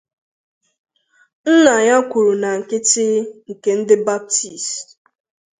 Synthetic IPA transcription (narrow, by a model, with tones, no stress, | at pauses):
n̩˦na˨ɲa˦kʷu˨ɾu˨na˨ŋ̩˨kɪ˦tɪ˦ŋ̩˨ke˦n̩˦dɪ˦ba˦p̚ti˨s